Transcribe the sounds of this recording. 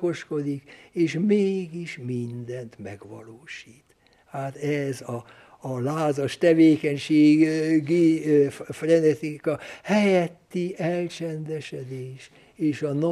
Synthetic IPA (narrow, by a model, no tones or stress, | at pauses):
ko̞ʃko̞d̪ikeːʃmeːɡiʃmind̪ɛnt̪mɛ̰ɡʋɒ̰loːʃiːt̪ | haːt̪ɛzɒː | laːzɒʃt̪ɛveːkɛɲʃeːɡɡi | frɛnɛt̪ikɒhɛjɛt̪ːiʔɛlt͡ʃɛnd̪ɛʃɛd̪eːʃ | eːʃɒno